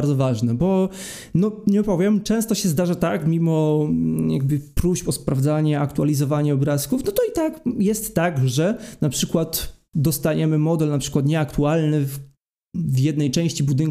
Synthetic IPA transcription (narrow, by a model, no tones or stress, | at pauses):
ɾd̪zɔvaʐnɛbɔ | nɔɲɛɔpɔvʲjɛmt͡ʂɛ̃st̪ɔɕɛzd̪aʐat̪akmʲimɔja̰ɡ̚bɘpɾuɕpɔspɾavd̪zaɲɛakt̪ualʲizɔvaɲɛɔbɾaskufnɔt̪ɔit̪akjɛst̪ːaɡʐɛnapʂɘkwat̪d̪ɔst̪aɲɛmɘmɔd̪ɛlnapʂɘ̥kwat̪ɲɛakt̪ualnɘf | vjɛd̪nɛjt͡ʂɛ̃w̃ɕt͡ɕibud̪ɘŋ